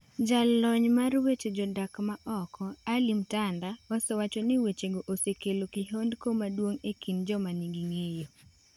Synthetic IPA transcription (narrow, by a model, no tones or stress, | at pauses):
d͡ʒalːɔɲmarwet͡ʃed͡ʒɔdakmaʔɔkɔalimtandaɔsewat͡ʃonɪwet͡ʃeɡoʔosekelokiɦondkomadwoŋekind͡ʒɔmaniɡiŋejo